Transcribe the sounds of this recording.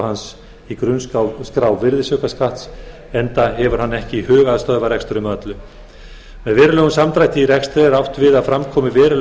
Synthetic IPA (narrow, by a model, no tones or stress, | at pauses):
hans | ikɾʏnskawskɾawvɪɾðɪsʏkaskaht̪s | ɛnt̪aɦɛvʏɾ̥hanːɛhcɪhœːɣaðst̪œðvaɾɛkst̪ʏɾɪmœt̪lʏ | mɛðvɛːɾʏlœːɣʏnsamt̪ɾajt̪ɪiɾɛkst̪ɾɛɛɾawht̪vɪðaðfɾamkʰɔːmɪvɛːɾʏl